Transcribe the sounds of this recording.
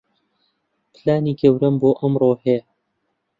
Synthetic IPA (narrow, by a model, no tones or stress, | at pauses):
pʰɨlaːniːɡɐwɾɐmboːʔɐmroːhɛjɐ